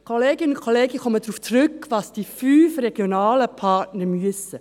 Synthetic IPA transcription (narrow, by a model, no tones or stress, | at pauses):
kʰoleːɡɪnəʊnkʰoleːɡəkɔmədɾuːft͡srʏkʋɑsd̥ifyːfrɛɡ̥jonɑːləpʰɑtnəɾmyəsə